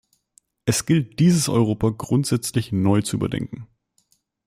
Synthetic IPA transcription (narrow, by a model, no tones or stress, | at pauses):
ʔɛsɡ̥ɪlt̚d̥iːzəsʔɔ̰ʏʁoːpɐɡʁʊntz̥ɛt͡slɪçnɔʏt͡suʔy̰ːbɐ̰dɛ̰ŋkŋ̩